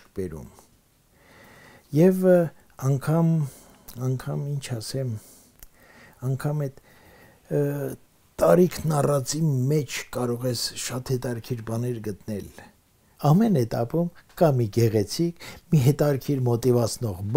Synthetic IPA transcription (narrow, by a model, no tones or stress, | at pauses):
kbɛɾṵm | jɛv | ɑŋkʰɑm | ɑŋkʰɑmint͡ʃʰɑsɛm | ɑŋkʰɑmɛt̪ | t̪ɑɾikʰnɑrɑt͡simɛt͡ʃʰkɑɾɔʁɛsʃɑt̪hɛt̪ɑɾkʰiɾbɑnɛɾɡət̪nɛl | ɑmɛnhɛt̪ɑpumkɑmiɡɛʁɛt͡sʰikʰmiɦɛt̪ɑɾkʰiɾmɔt̪ivɑt͡sʰnɔʁb